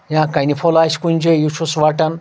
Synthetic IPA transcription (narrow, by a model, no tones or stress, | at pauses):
jãkɐnʲipʰolaːsʲkunʲd͡ʒejut͡ʃʰusʋaʈɐn